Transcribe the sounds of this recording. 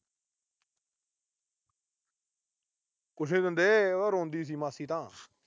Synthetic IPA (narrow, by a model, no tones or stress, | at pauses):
kʊʃʰẽːd̪ənd̪eːaːɾõːnd̪iːs̬iːmaːsiːt̪ãː